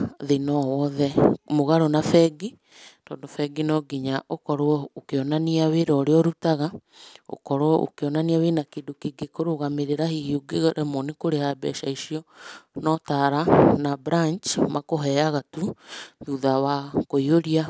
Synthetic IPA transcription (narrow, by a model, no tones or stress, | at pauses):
ðenɔwɔðɛmoɣaɾonafɛɡi | tɔːndofɛɡinɔɡiɲaʔokɔɾookeɔnaniaweɾɔɾeɔɾutaɣa | o̰kɔɾoʔo̰keɔnaniawenakedokeɡekoɾoɣameɾeɾahihiuɡeɣɾɛmɔnekoɾehabɛ̰ʃaiʃiɔnɔtaɾanabɾant͡ʃmakoɦɛaɣatuðuðawakoioɾia